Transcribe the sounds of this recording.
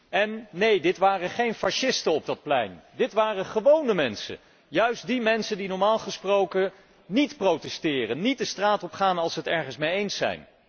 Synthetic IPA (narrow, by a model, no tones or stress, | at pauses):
ɛnːejdɪtʋaːrəχejnfaʃɪstənɔb̚dɑt̚plɛ̰jndɪtʋaːrəχəʋownəmɛnsə̰ | jœɥsdimɛnsəndinɔɹmaːlˠχəsprowkə | nitprowtɛstɪːrənːit̚dəstraːtɔpχaːnɑlˠsəɦətɛɹχənsmejejnsɛ̰jn